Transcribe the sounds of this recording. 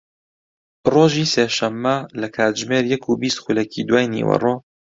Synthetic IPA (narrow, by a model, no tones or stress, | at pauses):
roːʒiːseːʃɐmːɐlɐkʰaːt̪̚ʒmeːɾjɐkʰubiːst̪xulɛkʰid̪waːjnḭwɐ̰roː